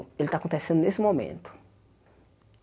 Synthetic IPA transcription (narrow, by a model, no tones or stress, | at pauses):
elɪt̪akõt̪esẽnd̪ʊnesɪmomḛ̃nt̪ʊ̥